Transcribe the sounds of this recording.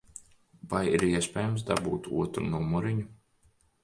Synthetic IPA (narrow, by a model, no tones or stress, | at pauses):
vajiɾiɛspʲɛːjumsd̪a̰buːt̪ṵɔt̪ɾunumuɾiɲu